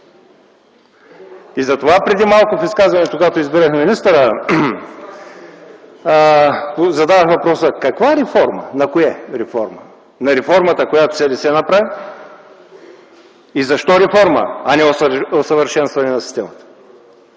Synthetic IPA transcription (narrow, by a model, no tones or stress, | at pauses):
izɐt̪ovapɾɛd̪imalˠkʊfiskazvɐnɛt̪ʊkɡat̪oizbiɾəxminist̪əɾə | zɐd̪avəxvɐpɾɔsəkɐkvaɛɾɛfɔɾmə̰nɐkojɛɾɛfɔ̰ɾmə | nɐɾɛfɔɾmət̪əkojat̪ʊ̥sɛlɛsɛnɐpɾavi | izɐʃt̪ɔɾɛfɔɾmə̰ɐnɛoosəvəɾʃɛnst̪vɐnɛnɐsist̪ɛmət̪ə̥